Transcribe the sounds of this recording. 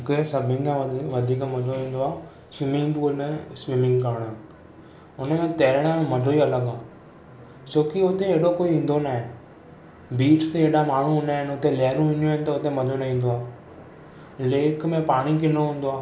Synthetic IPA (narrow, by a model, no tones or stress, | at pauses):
kesɐbʱɪ̃kãʋɐʋɐd̪ʱiːkmɐdʱoĩːn̆d̪oaː | sɪmɪ̃ŋɡpuːlmẽsʋɪmɪ̃ŋɡkɐɾɽ̃nɪ̆ | ʊnəmẽt̪eːɾəɽ̃ãmɐɖʱoiɐləɠaː | t͡ɕoːkiʊt̪eeːɽokoːiĩːn̆d̪onaːɦẽ | biːʈʰt̪eeːɗamaːɳ̤ũɦnaːɦɪnʊt̪elɛːɾũĩːɲũɪ̃nɪ̆t̪ɐʊt̪emɐd͡ʑʱonɐĩːn̆d̪oaː | leːkʰmẽpaːɽ̃ikʰenoɦũːn̆d̪oaː